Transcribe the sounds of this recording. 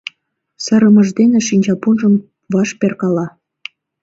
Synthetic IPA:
sə̆ɾəmə̆ʒd̪eneʃinʲt͡ɕɑpunʒəm | vɑʃperkɑlɑ

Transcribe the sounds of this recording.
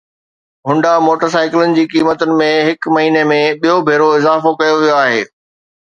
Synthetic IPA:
ɦʊ̃ɳɖamoːʈəɾs̬aːɪkɪlʊnɪ̆d͡ʑiːkiːmət̪ʊnɪ̆mẽɦɪkmɐɦiːnemẽɓijobʱeːɾoɪzaːfokɐjoʋijoaːɦḛː

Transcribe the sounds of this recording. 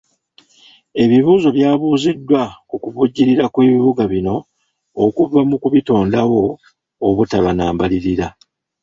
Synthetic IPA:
e̞βiβuːzo̞βjaːβuːzidːwakukuβuɟːiɾiɾakweːβiβuɡaβino̞ː | kuvːamukuβito̞ːndawo̞ː | βutaβanaːmbaliɾiɾa

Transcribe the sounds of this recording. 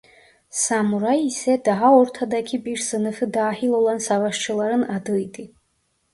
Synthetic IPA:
samuɾajisɛd̪aɦaɔɾt̪ʰad̪akʲʰibiɾsɨnɨfɨd̪aːħilolansavaʃt͡ʃʰɨlaɾɨnad̪ɨjtʼi

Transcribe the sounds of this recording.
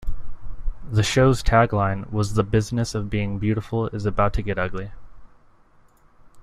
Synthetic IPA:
ðɨʃoʊz̥tʰæɡlãɪ̃nwʌzðəbɪznɨsʌvbiɪ̃ŋbjʉɾəfl̩ˠɪzɨbaʊtʰɨɡɛɾʌɡli

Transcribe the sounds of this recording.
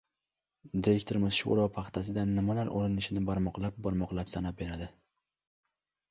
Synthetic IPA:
d̪ɪɾekʲt̪ʰoɾɪmɪzʃo̰ɾɒpʰaχt̪ʰas̬ɪd̪anːɪmalaɾʔo̰lɪnɪʃɪnɪbaɾmɒqlˠap̚bɒɾmɒqlˠapsanap̚beɾad̪ɪ

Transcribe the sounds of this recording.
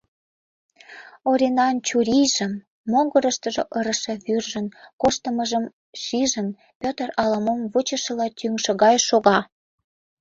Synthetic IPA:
oɾʲenɑnt͡ɕuɾʲijʒə̆mː | oŋɡəɾəʃt̪əʒoʔɤɾə̆ʃĕβyrʒə̆nkoʃt̪əməʒəm | ʃiʒən | pʲøt̪ərɑlɑmomvut͡ɕə̆ʃə̆lɑt̪yŋʃə̆ɣɑjʃoɣɑ

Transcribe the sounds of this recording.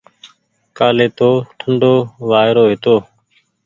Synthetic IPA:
kaːleːt̪oːʈʰəɳɖoːʋaːɪɾoːʋeːt̪oː

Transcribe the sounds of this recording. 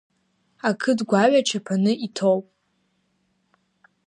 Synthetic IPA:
akʰɨdɡʷaɥat͡ʃʰapʰanɨitʰowpʼ

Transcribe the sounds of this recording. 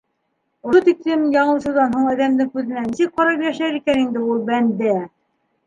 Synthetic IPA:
ŏɤt̪ik̚t̪ɘmjɑɴɤ̆sɤ̆ðɑnɦoɴæðæmd̪ɘŋkʉðɘ̆nænisɘk̚qɑɾɑjiɾæʃæɾikænind̪ɘulˠbænd̪æ

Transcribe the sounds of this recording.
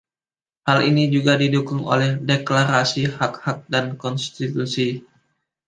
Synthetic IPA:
halḭnid͡ʒuɡadidukʊŋo̰lɛhdeklaɾasihakhak̚dankɔnst̪it̪usi

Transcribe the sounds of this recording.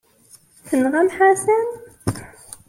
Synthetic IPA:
θənʁamħasæn

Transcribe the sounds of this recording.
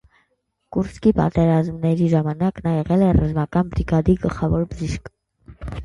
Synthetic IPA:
kuɾskipɑ̰t̪ɛɾɑzmnɛɾiʒɑmɑnɑknɑjɛʁɛlɛrɑzmɑkɑnbɾiɡɑd̪iɡəlχɑvɔɾbəʒiʃk

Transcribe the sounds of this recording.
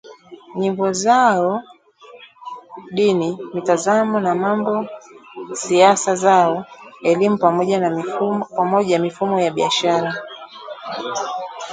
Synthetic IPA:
ɲimbɔzaɔ | ɗinimitazamɔnamambɔ | siasazaɔɛlimupamɔʄanapamɔʄamifumɔjaɓiaʃaɾa

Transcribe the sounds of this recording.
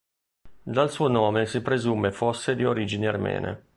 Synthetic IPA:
d̪alsuːonɔːmesipɾezumefosːed̪ioɾiːd͡ʒiniarmɛ̰ːnḛ

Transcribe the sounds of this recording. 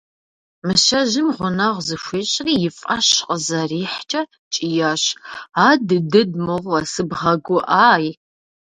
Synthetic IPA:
mɨʃɐʑɪmʁʷʊnɐʁʷzɨʃʷiːɕʼriːjɪfʼɐɕqʼəzɐriːħt͡ʃʼɐ | t͡ʃʼijaɕaːdɨdɨdmɨʁʷɐsɨbʁɐɡʷʊʔaːj

